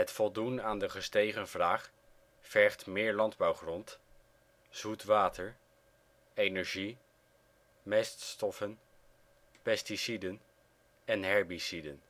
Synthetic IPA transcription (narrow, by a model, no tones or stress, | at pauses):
ɦətfɔlˠdunaːndəχəstejχənvraːχ | fɛɹχtmɪːɹlɑndbɑwχrɔnt | z̥utʋaːtəɹ | ejnɛɹʒi | mɛststɔfən | pɛstisidən | ɛnɦɛɹbisidən